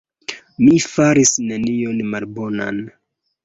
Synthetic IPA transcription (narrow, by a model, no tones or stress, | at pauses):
mifaɾisne̞nio̞nmalbo̞na̰n